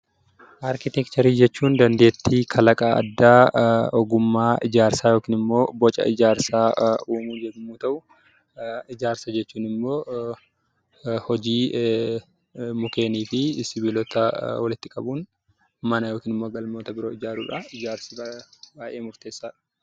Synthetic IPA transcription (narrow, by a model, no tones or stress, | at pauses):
ʔaːɾkɪt̪ɛkt̪ɐɾiːd͡ʒɛt͡ʃːuːnd̪ɐnd̪e̞ːt̪ːiːkʰɐlɐkʼaːɐ̰d̪ːaːɔɡʊmːaːɪd͡ʒaːɾsaːjo̞ːkɪːnɪmːo̞ːbɔt͡ʃʼɐ̰ɪd͡ʒaːɾsaːuːmuːd͡ʒɛdmːuːt̪ɐʔʊ | ɪd͡ʒaːɾsɐd͡ʒɛt͡ʃːuːnɪmːo̞ː | hɔd͡ʒiː | mʊke̞ːniːfɪsɪbilɔt̪ɐwɐlɪt̪ːɪkʼɐbuːn | mɐnɐjo̞ːkiːnɪmːoːɡɐlmoːt̪ɐbɪɾo̞ːɪd͡ʒaːɾuːᶑɐɪd͡ʒaːɾsibaːʔe̞ːmʊɾt̪e̞ːsːaːᶑɐ̥